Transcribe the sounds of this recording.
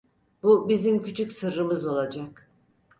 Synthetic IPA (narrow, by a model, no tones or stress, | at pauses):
bubizimcʰyt͡ʃʰycʲsɯɾːɯmɯzo̞lˠad͡ʒak